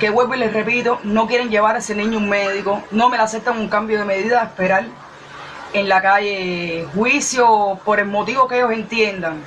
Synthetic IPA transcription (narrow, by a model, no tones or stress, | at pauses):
ke̞ɣwelβele̞sre̞pit̪o̞no̞k̬je̞ɾe̞ɲɟe̞βaɾese̞nĩɲuŋːe̞ðikono̞me̞lase̞p̚t̪aŋuŋkambjo̞ðe̞me̞ðiðaehspe̞ɾal | eŋlakaje̞hwisjo̞po̞ɾe̞lmo̞t̪iβokejose̞nt̪je̞nd̪aŋ